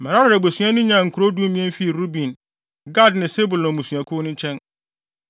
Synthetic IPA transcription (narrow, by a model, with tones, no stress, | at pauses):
mɛ˨ɾa˦ɾɪ˨ɾɛ˨bo˨sɥã˦nʊ̃˦ɲã˨ŋ̩˨kʰu˨ɾo˦du˦mĩ˦ɛ̃˦n˦fi˦˨ɾu˦bĩ˨n | ɡa˦dnɪ̃˨se˦bʊ˨lnʊ̃˨mũ˨su˨ã˨kʰʊ˦nʊ̃˦t͡ɕʰɛ̃˦n